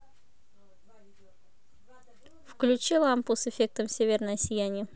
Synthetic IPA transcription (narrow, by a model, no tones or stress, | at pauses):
fklʲʉt͡ɕilˠampusɨfʲe̞k̚t̪əmsʲevʲɪrnəjəsʲɪjænʲɪə